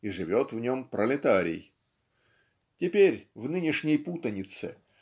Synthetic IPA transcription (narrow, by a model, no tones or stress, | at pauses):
iʐɨvʲo̞t̪vnʲo̞mpɾʔəlʲɪt̪aɾʲɪ̰j | tʲɪpʲeɾʲvnɨnʲɪʂnʲəjput̪ənʲɪt̪sɨ̰